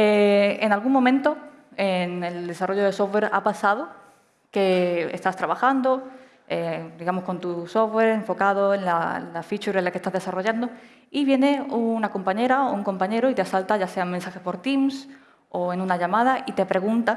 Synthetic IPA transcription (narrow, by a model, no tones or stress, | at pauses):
eḛnalɣuŋmomẽnt̪oeŋe̞ld̪e̞saro̞ʝoð̞e̞so̞we̞ɾa̰pasaðo̞ | ke̞ḛst̪ast̪ɾaβaxand̪o̞ | ed̪iɣamo̞sko̞nt̪uso̞we̞ɾeɱfo̞kað̞o̞e̞nla̰lafit͡ʃuɾelake̞st̪azðe̞saro̞ʝand̪o | iβje̞ne̞unako̞mpaɲe̞ɾaouŋko̞mpaɲe̞ɾoit̪easalt̪aʝase̞amensaxe̞po̞ɾt̪ims | o̞enunaʝamað̞aʔit̪e̞pɾe̞ɣunt̪a